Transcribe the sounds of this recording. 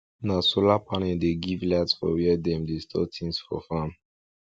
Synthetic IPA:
nãsulapʰanɛ̃d̪eɡivladsfɔ̰wiəd̪ɛ̃md̪estɔtʰĩnsfɔ̰fãm

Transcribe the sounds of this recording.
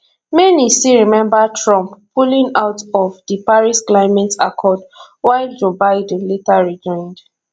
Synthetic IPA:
mɛnisiɹimɛ̃mbatʰɹɔ̃mppːulĩŋaʊtɔvdipaɹisklaɪmɛ̃ta̰kʰɔd | waɪld͡ʒobaɪdn̩letaɹid͡ʒɔ̃ɪ̃nd

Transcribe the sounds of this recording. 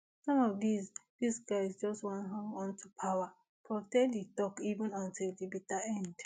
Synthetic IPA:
sɔ̃mɔvdisðisɡaɪzd͡ʒɔstwɔ̃nɦãŋɔ̃ntupʰaʊa | fɔtɛlditɔkivə̃nãntildibitaɛ̃nd

